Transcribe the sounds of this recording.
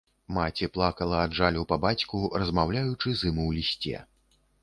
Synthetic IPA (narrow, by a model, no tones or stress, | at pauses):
mat͡sʲiplˠakɐlˠɐadʐalʲupɐbat͡sʲkurɐzmawlʲajut͡ʂɨzɨmɨwlʲisʲt͡sʲɛ̰